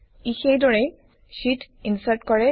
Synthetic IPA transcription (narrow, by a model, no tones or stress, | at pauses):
ixejdɔɹɛ | ʃitinsaɹtkɔɹɛ